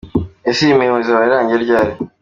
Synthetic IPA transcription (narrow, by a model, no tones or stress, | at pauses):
esimewozaβaɾiɾaːɲɟeɾɟaːɾi